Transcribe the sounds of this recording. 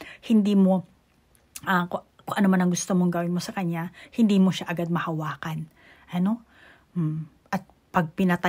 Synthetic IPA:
hɪnd̪iːmo̞ | ʔako | koŋʔɐnomanɐŋɡʊst̪omoŋɡɐwɪnmosɐkɐɲahɪnd̪iːmo̞ʃaʔɐɡad̪̚mɐhɐwaːkɐn | ʔɐno̞ | m̩ | ʔɐt̪̚ | pɐɡ̚pɪnɐt̪ɐ

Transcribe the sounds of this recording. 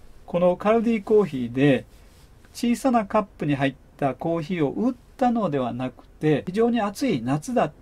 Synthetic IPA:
ko̞no̞kaɾɯ̟d̪ʲiːko̞ːçiːd̪e̞ | t͡ɕiːsanakapːɯ̟ɲ̟iɦait̪ːako̞ːçiːo̞ʔɯt̪ːano̞d̪e̞β̞anakɯ̟̥t̪e̞çiʑo̞ːɲ̟iat͡sɨinat͡sɨd̪at̪ː

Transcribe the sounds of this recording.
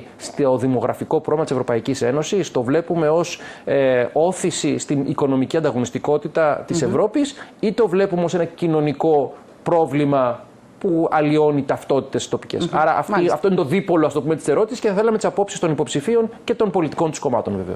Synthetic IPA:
st̪oðimo̞ɣɾɐfiko̞pɾovlimɐt̪isvɾo̞pɐicise̞no̞sist̪o̞vle̞pume̞o̞s | o̞θisist̪iniko̞no̞miciɐnd̪ɐɣo̞nist̪iko̞t̪it̪ɐt̪ise̞vɾo̞pisit̪o̞vle̞pumeo̞se̞nɐcino̞niko̞ | pɾo̞vlimɐ | puɐlio̞nit̪ɐft̪o̞t̪i̥t̪esst̪o̞pi̥cḛsɐɾɐʔɐft̪ɐft̪o̞inet̪oðipo̞loɐstopumet̪i̥seɾo̞t̪isisceθɐθelɐme̞t̪isɐpo̞psist̪o̞nipo̞psifio̞nce̞t̪o̞npo̞lit̪i̥ko̞nt̪u̥sko̞mɐt̪o̞nveveos

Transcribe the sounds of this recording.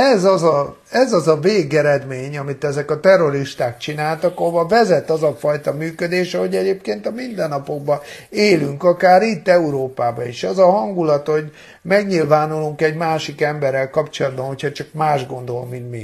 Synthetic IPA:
ɛzɒzɒ | ɛzɒzɒveːɡɛɾɛd̪meːɲɒmit̪ɛzɛkɒt̪ɛrːo̞ɾiʃt̪aːk̚t͡ʃinaːlt̪ɒkovɒvɛzɛt̪ɒzɒfɒjt̪ɒmyːkød̪eːʃɒɦo̞ɟɛɟeːpkeːnt̪ɒmind̪ɛnːɒpo̞ɡ̚bɒeːlyŋkɒkaːɾit̪ːɛuɾoːpaːbɒiʃɛzɒɦɒŋɡulɒt̪ho̞ɟ | mɛɡɲilvaːnuluŋkɛɟmaːʃikɛmbɛrːɛlkɒpt͡ʃolɒd̪̚bɒnho̞cʰhɒt͡ʃɒkmaːʒɡo̞nd̪o̞lmint̪mi

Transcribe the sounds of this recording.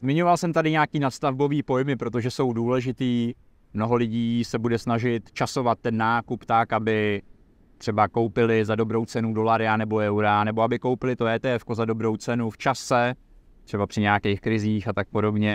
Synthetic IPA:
zmɪɲo̞valsɛmt̪adɪɲaːkiːnat̪st̪avbo̞viːpo̞jmɪpɾo̞t̪o̞ʒɛso̞wduːlɛʒɪt̪iː | mno̞ɦo̞lɪɟiːsɛbudɛsnaʒɪt̪t͡ʃaso̞vat̪̚ːɛnːaːkupt̪akabɪ | t̪r̥ɛbako̞wpɪlɪzado̞bɾo̞wt͡sɛnudo̞laɾɪanɛbo̞ɛwɾanɛbo̞abɪko̞wpɪlɪt̪o̞ɛːt̪ɛɛfko̞zado̞bɾo̞wt͡sɛnuft͡ʃasɛ | t̪r̥ɛbapr̝̥ɪɲɛakɛjxkɾɪziːxat̪ak̚po̞do̞bɲɛ

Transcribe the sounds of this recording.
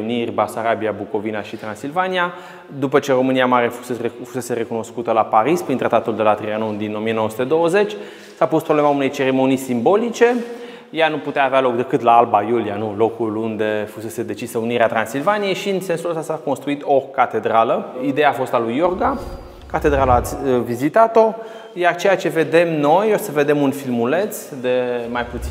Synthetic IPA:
unirʲbasaɾabiabuko̞vinaʃit̪ɾansilvanija | d̪upət͡ʃe̞ro̞mɨniamaɾefu̥sefuse̞se̞ɾe̞kuno̞skut̪əlapaɾispɾint̪ɾat̪at̪uld̪e̞lat̪ɾianud̪ino̞mijenowəsu̥t̪e̞d̪o̞wəze̞t͡ʃʲ | sapust̪̚pɾoblemaune̞jt͡ʃe̞ɾe̞mo̞nisimbo̞lit͡ʃe̞ | januput̪eaːvealo̞k̚d̪e̞kɨt̪laalbajulianulo̞kulund̪e̞fuse̞se̞d̪e̞t͡ʃisəuniɾeat̪ɾansilvanije̞jʃiɨnse̞nsuləst̪asako̞nst̪ɾuit̪o̞kat̪e̞d̪ɾaləid̪e̞jaːfo̞st̪alujo̞rɡa | kat̪e̞d̪ɾaləat̪sʲvizit̪at̪o̞ | jart͡ʃe̞jat͡ʃe̞ve̞d̪e̞mno̞josəve̞d̪e̞munfilmule̞t̪sd̪e̞majput̪s

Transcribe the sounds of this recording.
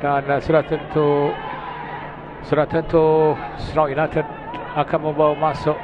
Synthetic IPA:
dansuɾat̪ənt̪u | suɾat̪ənt̪usnawʔinat̪əd | akanmə̃mbawmasʊʔ

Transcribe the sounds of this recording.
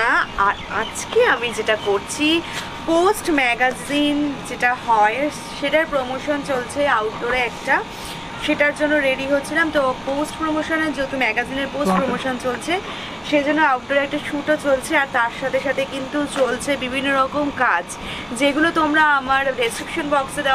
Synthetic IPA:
aaɾad͡ʑkeamid͡ʑeʈakoɾt͡ɕʰi | posʈmɛɡazind͡ʑeʈaɦɔe | ʃeʈaɾpɾomoʃont͡ɕolt͡ɕʰeawʈɖoɾɛkʈa | ʃeʈaɾd͡ʑonːoɾeɖiɦotːɕʰilamt̪oposʈpɾomoʃoneɾd͡ʑot̪umɛɡazineɾposʈpɾomoʃont͡ɕolt͡ɕʰe | ʃed͡ʑonːoawʈɖoɾɛk̚ʈaʃuʈot͡ɕolt͡ɕʰeaɾt̪aɾʃat̪ʰeʃat̪ʰekint̪ut͡ɕolt͡ɕʰebibʱinːoɾɔkomkad͡ʑ | d͡ʑeɡulot̪omɾaamaɾɾesʈɾikʃonbɔksed̪a

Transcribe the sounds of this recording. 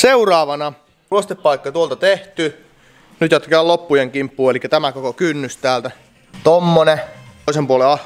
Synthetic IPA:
seurɑːʋɑnɑ | uost̪epːɑikːɑt̪uolt̪ɑt̪eht̪y | nyt̪jɑt̪ːkæælopːujeŋkimpːuːelikːæt̪æmækokokynːyst̪æːlt̪æ | t̪omːoneisempuoleɑ

